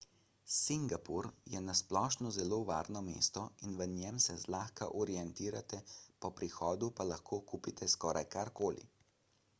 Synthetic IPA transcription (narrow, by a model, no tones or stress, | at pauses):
siŋɡapuɾjɛnasplɔːʃnɔzɛloːʋa̰ːɾnɔmḛːst̪ɔinʋənjɛmsɛzlaːxka̰ʔɔɾijɛnt̪iːɾat̪ɛpɔpɾixɔːd̪upalaxkʰoːkuːpit̪ʰɛskɔːɾʔajkaɾkoːlḭ